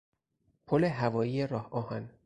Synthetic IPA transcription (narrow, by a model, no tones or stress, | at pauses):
pʰoleɦævɒːjiːjeɾɒːhʔɒːhæn